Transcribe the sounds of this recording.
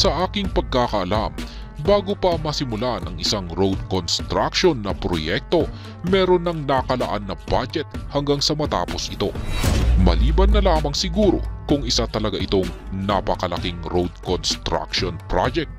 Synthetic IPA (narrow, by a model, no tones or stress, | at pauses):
sɐʔaːkɪŋpɐɡ̚kakɐʔɐlam | baːɡopɐmɐsɪmʊlaʔɐnʔɐ̰ŋɪsaŋɾowd̪̚konst̪ɾakʃonːɐpɾo̰jɛk̚t̪o̞ | mɛːɾo̞nːɐŋnɐkɐlɐʔanːɐbad͡ʒɛt̪̚hɐŋɡaŋsɐmɐt̪a̰ːpo̞sʔɪt̪o̞̰mɐ̰liːbɐnːɐlaːmɐŋsɪɡuːɾo̞̰kʊŋɪsat̪ɐlɐɡaʔɪt̪oŋnɐpɐkɐlɐ̰kɪŋɾowd̪̚konst̪ɾa̰kʃonpɾa̰d͡ʒɛk̚t̪̚